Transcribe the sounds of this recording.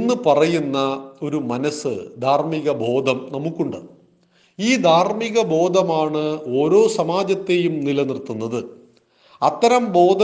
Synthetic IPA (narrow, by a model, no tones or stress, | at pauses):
nːɨpɐrɐjunːɐo̞ɾumɐnɐsɨ̰d̪ʱaːrmiɣɐbʱo̞ːd̪ʱɐmnɐmukːuɳɖɨ | iːd̪ʱaːrmiɣɐbʱo̞ːd̪ʱɐmaːɳɨo̞ːɾo̞ːsɐmaːd͡ʑɐt̪ːe̞jumnilɐnirt̪ːunːɐðɨ | ɐt̪ːɐɾɐmbʱo̞ːd̪ʱɐ